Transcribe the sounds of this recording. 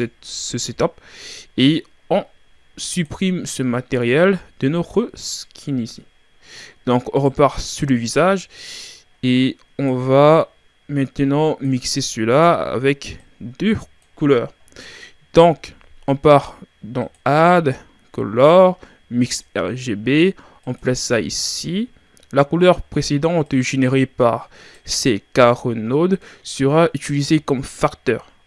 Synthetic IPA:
ɛsəset̪ape | ɔ̃ | sypχimsəmat̪eʁjɛld̪̥ənɔt̪χəskʲʰinizi | d̪̥ɔ̃kɔ̃ʁəpaʁsyʁləvizaʒ | e | ɔ̃va | mɛ̃t̪nɑ̃miksesəlaa̰vɛk | d̪ø | kulœʁ | d̪ɔ̃k | ɔ̃paʁd̪ɑ̰̃ad̪ | kɔ̰lɔʁ | miksɛ̰ʁʒebe | ɑ̃plasaḭsi | lakulœʁpχesed̪ɑ̃t̪ʒeneʁepa̰ʁ | sekaʁɔnod̪səʁaʔyt̪ylizekɔmfakt̪œ̰ːʁ

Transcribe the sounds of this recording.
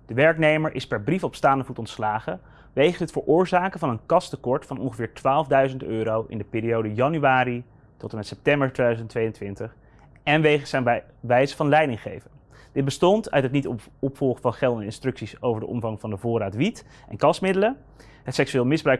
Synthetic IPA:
d̥əʋɛɹknejməɹʔɪspɛɹbrifɔpstaːndəvutɔntslaːχə | ʋejχəɦətfəɹʔʊːɹzaːkəvɑnənkɑstəkɔɹtfɑnɔ̰nχəvɪːɹtʋaːlˠəvdœɥzəntøːɾowʔɪ̰ndəpɪːɾiowdəjɑnyʋaːɾi | tɔtəmɛtsɛp̚tɛmbəɹtʋedœzəntʋejəntʋɪntəχ | ɛnʋejχəsa | ʋɛjzəvɑnlɛjdɪŋχḛjvən | d̥ɪd̚bəstɔntœ̰ɥtɦət̬̚nitɔpfɔlˠχəvɑnχɛlˠdɛndəɪnstrɵksisowvəɹdə̰ʔɔmvɑŋvɑndəvʊːɾaːtʋit | ʔɛ̰nkɑsmɪdələ | ɦətsɛksyʋɪːlˠmɪzbrœɥ

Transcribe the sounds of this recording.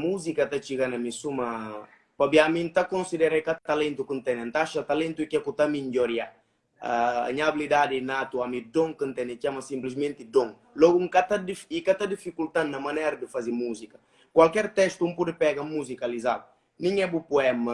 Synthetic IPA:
muzikɐt̪at͡ʃiɣanɐmisumɐ | pabiamĩnt̪akõnsid̪ɛɾakat̪alẽnt̪ukənt̪ɛnãnt̪aʃat̪alẽnt̪uikɛkut̪amiɲd͡ʒɔɾja | a̰ːɲabilid̪ad̪inat̪uamid̪õŋkənt̪ɛnet͡ʃamɐsĩmplizmẽnt̪id̪õŋ | lɔɡuŋkat̪ad̪ifikat̪ad̪ifikult̪anːɐmanɛɾɐd̪əfazimuzikɐ | kwalkɛɾt̪ɛst̪umpud̪epɛɣamuzikalizadu | nĩŋɛbupuɛmɐ

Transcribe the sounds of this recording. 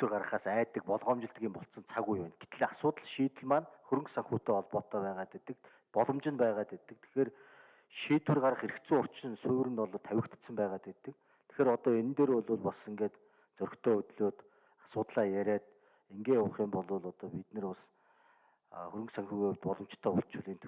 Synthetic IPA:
t̪ːɘ̆rɢarʁə̆χaːsæːt̪ːɘ̆k̚pɔɮʁɔːmt͡ɕɪ̆ɬt̪ɡʲiːmpɔɬt̪sə̆nt͡sʰaɣujæːnɡet̪ɘ̆ɮasʊːt̪ə̆ɮʃiːt̪ɘ̆ɮmanxɵɾɘ̆ŋksaŋxuːt̪eːɔɮpɔːt̪ːœːpæːʁaːt̪et̪ɘ̆k̚ | pɔɮɞ̆mt͡ɕɪ̆npæːʁaːt̪et̪ːɘ̆k̚t̪ʰe̥xeːr | ʃiːt̪wɘ̆rɢaɾʁə̆χeɾɘ̆kt͡sɘ̆ŋʊr̥t͡ɕʃɪ̆nsɵːɾɘ̆nt̪ɔɮt̪ʰæwʲɪ̆kt̪̆sə̆mpæːʁaːt̪et̪ːɘ̆k̚ | t̪ʰe̥xeːɾɔt̪ɔːen̆nt̪eːɾʊɮʊːɮpɔsĭŋɡeːt̪ | t͡sœɾɵ̆xt̪ʰœːɵt̪ɮoːt̪ | ḁsʊːt̪ɮaːjæɾʲæːt̪̚ | eŋɡeːʊːχiːmpɔɮʊːɮɔt̪ɔːpit̪nɘ̆rpɔs | xɵɾɘ̆ŋksaŋxuːɣet̪pɔɮɞ̆mt͡ɕt̪ʰːœːʊɬt͡ɕʰʊ̆ɮiːnʰ

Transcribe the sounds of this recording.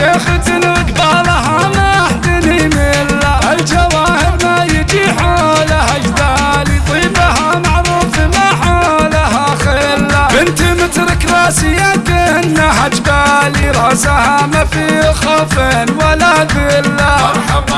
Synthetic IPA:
axɪt̪ɪnɪkbˤɑlaɦamaħd̪ɪnimɪlːahald͡ʒawaːhɪɾmajɪd͡ʒiħolaad͡ʒd̪aːlit̪ˤiːbahamaʕɾuːfimaħalaɦaxɪlːabɪnt̪imɪt̪ɾˤɪkɾˤɑːsiakɪnːaħad͡ʒbaːliɾˤɑsahamafixofɪnwalːabɪlːa

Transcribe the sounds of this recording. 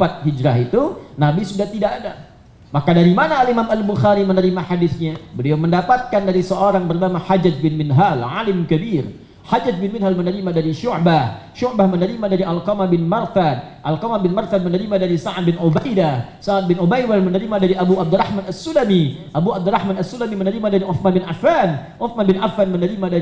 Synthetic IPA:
pat̪̚ɦid͡ʒɾaɦit̪unabisudaht̪idakada | makadaɾimanaːlimamalbuxaɾimənəɾimaħadɪθɲabəliawməndapat̪̚kandaɾisəoɾaŋbərnamaħad͡ʒat̪̚bɪnmɪnɦalʕalɪmkəbir | ħad͡ʒad̪̚bɪnmɪnɦalmənəɾimadaɾiʃʊʕbahʃuʕbahmənəɾimadaɾiʔalkomabɪnmarfat̪ʔalkamabɪnmarfat̪̚mənəɾimadaɾisaʕad̪̚bɪnubajdahsaʕad̪̚bɪnubajwamənəɾimadaɾiʔabuab̚d̪urahmanasunami | ʔabuab̚d̪urahmanasːunamimənəɾimadaɾiʔuθmanbɪnʔafanʔʊθmanbɪnʔafanmənəɾimada

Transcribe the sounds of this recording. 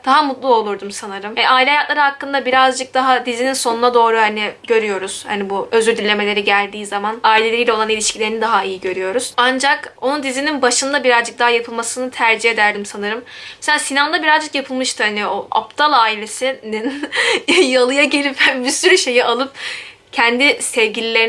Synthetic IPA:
d̪̥aɦamut̪lˠuo̞lˠuɾd̪umsanɯɾɯmjanaːilʲɛɦajak̪lˠaɾɯɦakːɯnd̪abiɾazd͡ʒɯk̚d̪aɦad̪izininso̞nunad̪o̞ːɾuhanɪɟø̞ɾyjo̞ɾuz̥ha̰nibuøzyɾd̪ylʲːe̞me̞lʲe̞ɾiɟælʲd̪iːzamanaːilʲeeɾijlʲɛo̞lˠanilʲiʃcʰilʲeɾinid̪aɦaijiɟø̞ɾyjo̞ɾuz̥and͡ʒako̞nund̪izininbaʃɯnd̪abiɾazd͡ʒɯk̚d̪aɦajapʰɯlˠmasɯnɯt̪ʰæɾd͡ʒihe̞d̪æɾd̪imsanɯɾɯmmeselʲaːsinamd̪abiɾazd͡ʒɯkjapʰɯlˠmɯʃt̪ɯhanioʔa̰pt̪ʰalˠaːilʲe̞sinin | jalˠɯjaɟe̞lʲiphænbisyɾyʃe̞jiʔalˠɯp̚ | cʰɛnd̪isɛvɟilʲilʲe̞ɾ

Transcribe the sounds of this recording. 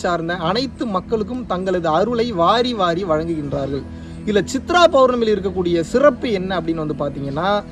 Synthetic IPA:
saːɾnd̪ɐɐnɐɪt̪ːɯmɐkːɐɭɯk̬ːɯmt̪ɐŋɡɐɭɐðɯɐɾɯɭɐɪʋaːɾiʋaːɾiʋɐɻɐŋɡɯɣɪndraːɾɣɐɭ | ɪlːɐt͡ʃɪt̪ːɾaːpɐʋɾnɐmɪlɪɾɯk̬ːɐk̬ːuːɽɪjɐsɪrɐpːɯɛnːɐɐpːɐɽɪnːʋɐnd̪ɯpaːɾt̪iːŋɡɐnːaː

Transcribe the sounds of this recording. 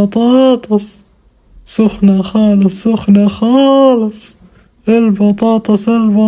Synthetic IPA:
ɑt̪ˤɑːt̪ˤɑs | sʊxnaxɑːlɨsˤːʊxnaxɑːlɨsˤ | ʔɪlbɑt̪ˤɑːt̪ˤɑsɪlbɑ

